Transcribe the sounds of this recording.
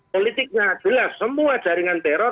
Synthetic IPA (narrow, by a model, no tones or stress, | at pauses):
olit̪ɪk̚ɲḁʒ̥əlasːəmuḁʒ̥a̤ɾiŋant̪ɛɾɔ